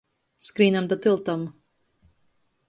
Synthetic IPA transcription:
skɾiːnamd̪at̪ilˠt̪am

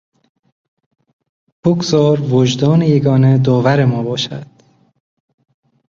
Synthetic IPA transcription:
pʰukzɒːɾvod͡ʒd̪ɒːnejeɡɒːned̪ɒːvæɾemɒːbɒːʃæ̰d̪̥

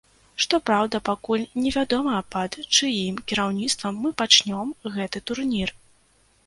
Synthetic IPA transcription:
ʂt̪ɔpɾawd̪ɐpakulʲnʲɛvʲad̪ɔmɐpɐt̪t͡ʂɨjimkʲiɾawnʲit̪st̪vɐmːɨpat͡ʂnʲɔmɣɛt̪ɨt̪urnʲir

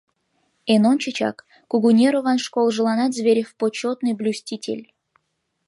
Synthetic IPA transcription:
enont͡ɕɪt͡ɕa̰kː | ʊɡunʲeɾovanʂkolˠʐɨlˠanat̪zʲvʲeɾʲɪfpot͡ɕːot̪nɨjblʲusʲtʲitʲḛlʲ

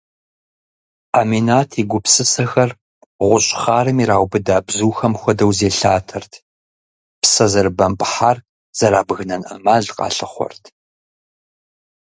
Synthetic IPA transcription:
aːminaːtʰiɡʷʊpsɨsɐxɐr | ʁʷʊɕʼχaːrɨmiɾaːwʷbɨdaːbzuːxɐmxʷɔdɐwzeːɬaːtʰɐrtʰ | psɐzɐrbɐmpʼħar | z̥ɐɾaːbɣɨnɐnʔɐ̰maːɮqʼɑ̰ːɬɨχʷɔ̰rtʰ

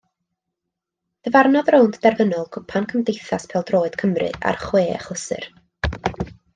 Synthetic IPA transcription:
d̥əvarnɔðrowndd̥ɛrvənɔlˠkʰʊpʰankʰəmdejθaspʰɛlˠdroːɨd̥kʰəmrɨ̰ʔa̰rχweːə̰χlˠəsɨ̰r

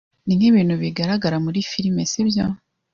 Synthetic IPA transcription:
niniβiːn̥huβiɡaɾaɡaɾamuɾifiɾimesibjo

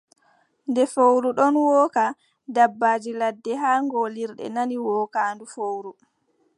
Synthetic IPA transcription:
ndɛfowɾuɗɔnwɔːka | dabːaːd͡ʒiladːɛɦaːŋɡoliɾɗɛ̰naniwɔːkaːndufowɾu

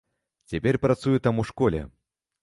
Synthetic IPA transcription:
t͡sʲapʲɛrpɾat̪sujut̪amuʂkɔlʲɛ̰

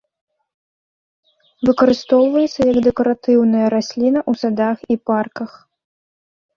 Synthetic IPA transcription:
vɨkɐɾɨst̪ɔwvɐjɛt̪sɐjɐɡd̪ɛkɐɾat̪ɨwnɐjɐɾasʲlʲinɐʔusad̪axiparkɐx

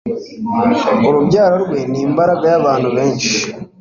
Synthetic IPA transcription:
oɾuβjaːɾoɾwe̞niːmbaɾaɡajaβaːntuβe̞ːɲʃi

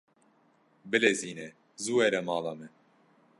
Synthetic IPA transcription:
bɨleːziːnɛ | zuːɛɾɛmɑːlɑːmɛ

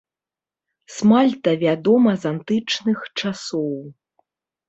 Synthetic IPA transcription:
smalʲt̪ɐvʲad̪ɔmɐzant̪ɨt͡ʂnɨxt͡ʂasɔw

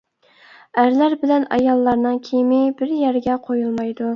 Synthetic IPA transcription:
æɾlæɾbɪlɛnɑ̰jɑlˠːɑɾnɨŋkʲʰejmɪbɪɾjæɾɡʲɛqʰojulˠmɑjd̪u

